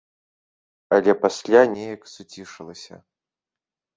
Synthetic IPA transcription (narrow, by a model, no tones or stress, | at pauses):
ɐlʲɛpasʲlʲanʲɛjɐksut͡sʲiʂɨlˠɐsʲɐ̰